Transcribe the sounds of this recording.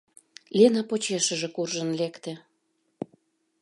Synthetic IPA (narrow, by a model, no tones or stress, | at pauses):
lenɑpot͡ɕeʃə̆ʒĕkurʒənlekt̪ĕ